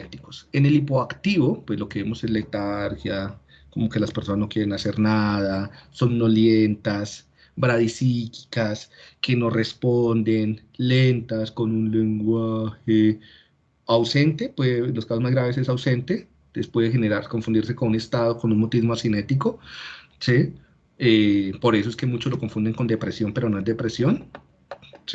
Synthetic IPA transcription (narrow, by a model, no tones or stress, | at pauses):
et̪i̥kose̞ne̞lipo̞akt̪iβo̞pwe̞zlo̞keβemo̞se̞zle̞t̪aɾxja | ko̞mo̞ke̞laspeɾso̞nazno̞kje̞ɾenase̞ɾnað̞aso̞nːo̞ljent̪as | bɾaðisiki̥kaske̞no̞re̞spond̪e̞n | lent̪asko̞nunle̞ŋɡwaxe | awse̞nt̪e̞pweðeloskasozmazɣɾaβe̞s̬e̞sawse̞nt̪e | t̪espwe̞ðexe̞neɾaɾko̞ɱfund̪iɾse̞konune̞st̪aðo̞konunmot̪izmoasine̞t̪iko̞ | se | epo̞ɾe̞s̬o̞eske̞mut͡ʃo̞zloko̞ɱfund̪e̞ŋko̞nd̪e̞pɾe̞sjo̞mpe̞ɾo̞no̞e̞zd̪e̞pɾesjo̞n | si